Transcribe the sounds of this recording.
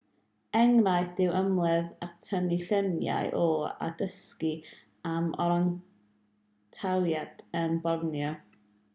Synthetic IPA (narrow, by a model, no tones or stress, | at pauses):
ɛŋnajd̥ɪwʔəmlˠɛðak̚tʰəniɬənja̰jʔɔa̰dəski | amɔɾaŋ | tʰawjad̥ənbɔrnjɔ